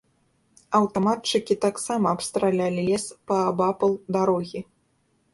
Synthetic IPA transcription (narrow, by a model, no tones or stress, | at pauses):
ɐwt̪amat̪̚t͡ʂɨkʲit̪aksamɐːpst̪ɾalʲalʲilʲɛspɐːbapɐlˠd̪aɾɔɣʲi